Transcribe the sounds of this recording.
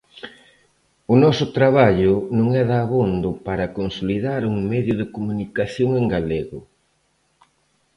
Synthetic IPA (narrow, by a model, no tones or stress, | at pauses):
ʊnɔsʊt̪ɾaβ̞aʎʊnõŋɛðaːβond̪ʊpaɾɐkonsoliðaɾuŋmɛðjʊðɪkomunikaθjoŋeŋɡaleɣʊ